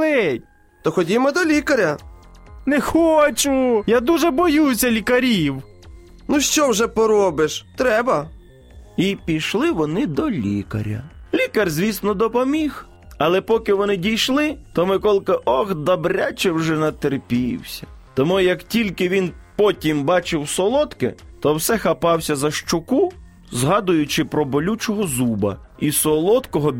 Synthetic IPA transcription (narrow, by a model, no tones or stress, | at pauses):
ɛt̚ʲ | t̪ɔxɔdʲimɔd̪ɔlʲikɐɾʲɐ | nɛxɔt͡ʃʊjad̪uʒɛbɔjusʲɐlʲikɐɾʲiw | nuʃt͡ʃɔwʒɛpɔɾɔbɪʃt̪ɾɛbɐ | ipʲiʃlˠɪʋɔnɪd̪ɔlʲḭkɐ̰ɾʲɐ̰lʲikɐrzʲʋʲisnɔd̪ɔpɔmʲix | ɐlˠɛpɔkɪʋɔnɪdʲijʃlˠɪt̪ɔmɪkɔlˠkɪʔɔɣd̪ɐbɾʲat͡ʃɛwʒɛnɐt̪erpʲiwsʲɐ̥t̪ɔmujɐktʲilʲkɪʋʲinpɔtʲimbɑt͡ʃɪwsɔlˠɔt̪kɪ̰t̪ɔwsɛxɐpɑwsʲɐzɐʃt͡ʃʊku | zɦɑd̪ʊjʊt͡ʃɪpɾɔbɔlʲut͡ʃɔɦɔzubɐ̰isɔlˠɔt̪kɔɦɔ